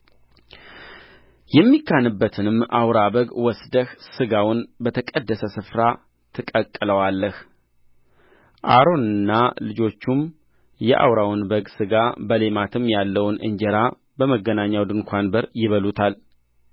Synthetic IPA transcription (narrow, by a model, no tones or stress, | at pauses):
jɛmːikːanɨbːət̪ʰɨnɨmʔawɾabəɡwɔsd̪əhsɨɡawʊnbət̪ʰəkʼəd̪ːəsəsɨfɾa | t̪ʰɨkʼəkʼːɨləwalːəh | ʔa̰ɾo̞nɨnːalɨd͡ʒo̞t͡ʃːum | jɛ̰ʔa̰wɾawnbəɡsɨɡabəle̞mat̪ʰɨmːjalːəwnʔɨ̰ɲd͡ʒəɾa | bəməɡːənaɲːawd̪ɨnkʷʰanbəɾjɪβəlut̪ʰal